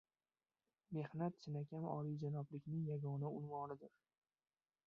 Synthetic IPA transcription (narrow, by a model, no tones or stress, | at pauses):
me̞hnat̪sɪnakʲʰanɒ̰lijd͡ʒanɒblɪkʲnɪŋjaɡɒnaʊnvɒnɪd̪ɪɾ